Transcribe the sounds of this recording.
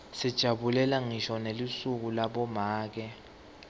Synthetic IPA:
sid̥ʒ̥ʱaɓulɛlaŋiʃɔnelisuk̬ulaɓɔmaːk̬ɛ

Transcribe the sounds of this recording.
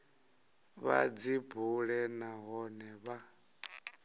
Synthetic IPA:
βa̰d͡zibuɺɛnaɦɔnɛβa

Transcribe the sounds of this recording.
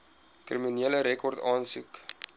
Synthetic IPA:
kriminiələɾɛkʰɔrtɑːnsṵk

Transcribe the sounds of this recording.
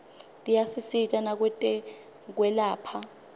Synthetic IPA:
tʼijasisitʼanak̬wɛtʼɛ | k̬wɛlaːpʰa

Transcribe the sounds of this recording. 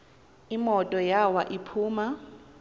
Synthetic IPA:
imɔtʼɔjawaʔipʰuːma

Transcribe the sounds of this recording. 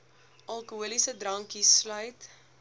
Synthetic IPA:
ʔɐlˠkuuəlisədrɐŋkislœɥt

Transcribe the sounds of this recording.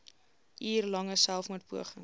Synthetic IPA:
ʔiːrlɐŋəsælˠfmut̚buəχəŋ

